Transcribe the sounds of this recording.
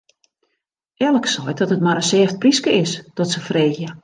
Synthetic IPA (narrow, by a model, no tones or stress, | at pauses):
ʔɛlˠəksɔjtɔtətmaɾəsɛːft̚priskəɪsd̥ɔtsəfreːxjə